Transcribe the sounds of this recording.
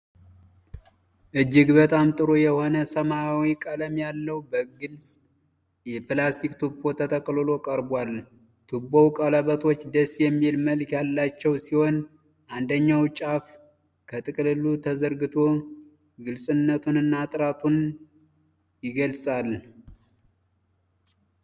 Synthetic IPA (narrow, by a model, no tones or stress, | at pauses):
ʔɨd͡ʒːɪɡbət̪ʼamt̪ʼɨɾojɛho̞nəsəmaːwikʼələmjalːəwbəɡɨlsʼ | jɛpɨlast̪ʰikt̪ʰupʰːo̞t̪ʰət̪ʰʼəkʼlolo̞kʼəɾbwal | t̪ʰubːowkʼaləβət̪ʰo̞t͡ʃːd̪əsjɛmːihlməlkʰjalːat͡ʃːɛwsiho̞n | ʔand̪əɲːawt͡ʃʼaf | kʰət̪ʼɨkʼɨlɨlːut̪ʰəzəɾɡɨt̪ʰo̞ | ɡɨlsʼɨnːət̪ʰunɨnːat̪ʼɨɾat̪ʰun | jɪɡəlsʼal